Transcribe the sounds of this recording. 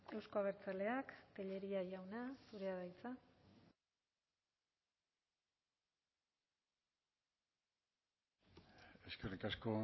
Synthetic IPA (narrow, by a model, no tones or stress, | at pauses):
e̞wsko̞aβ̞e̞ɾt͡sale̞akt̪eʎe̞ɾiaʝawnasuɾe̞aðajt͡sa | e̞skerikasko̞